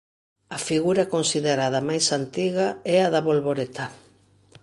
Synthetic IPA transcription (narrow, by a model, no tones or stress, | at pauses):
ɐfiɣuɾɐkonsiðeɾaðɐmajsant̪iɣɐɛaðɐβolβoɾet̪ʰa